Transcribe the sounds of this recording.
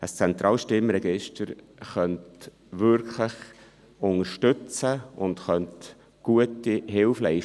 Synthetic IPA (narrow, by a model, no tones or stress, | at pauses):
əst͡sɛnt̪ɾʔɑːlʃtɪmɾɛɡɪʃtəɾ | χœnt | ʋʏɾkʰləχ | ʊŋəɾʃtʏt͡səʊndχœnt | ɡ̥uətiɦɪlflɛɪ